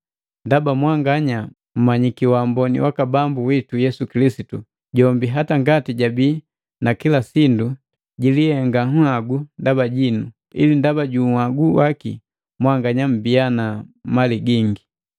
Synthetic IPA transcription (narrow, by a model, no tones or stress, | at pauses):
ndabamwaŋɡaɲa | m̩maɲikiwaːmbɔnḭwakabambuwitujɛsukilisitu | ɟɔmbiɦataŋɡatiɟabiː | nakilasindu | ɟilihɛŋɡaŋaɡundabaɟinu | ḭlindabaɟuaɡuwakḭ | mwaŋɡaɲam̩bianamaliɡiŋɡi